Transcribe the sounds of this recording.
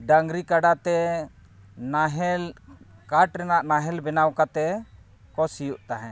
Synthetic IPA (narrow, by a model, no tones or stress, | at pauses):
ɖaŋɡɾikaɖat̪ɛ | naɦɛlkaʈɾɛnaʔnaɦɛlbɛnawkat̪ɛ | kɔsijuʔt̪aɦɛ̃